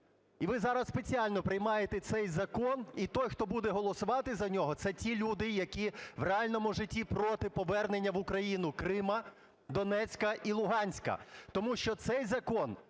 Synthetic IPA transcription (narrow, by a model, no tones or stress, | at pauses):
iʋɪzɑɾɐsspet͡sʲiɑlʲnɔpɾɪjmɑjet̪ɛt̪sɛjzɐkɔnit̪ɔjxt̪ɔbud̪ɛɦɔlˠɔsʊʋɑt̪ɪzɐnʲɔɦɔt̪sɛtʲilʲud̪ɪjɐkʲiʋreɑlʲnɔmʊʒɪtʲːipɾɔt̪ɪpɔʋɛrnenʲːɐʋʊkɾɐjinʊkɾɪmɐ | d̪ɔnɛt͡sʲkɐʔilˠʊɦɑnʲsʲkɐ̰t̪ɔmuʃt͡ʃɔt̪sɛjzɐkɔn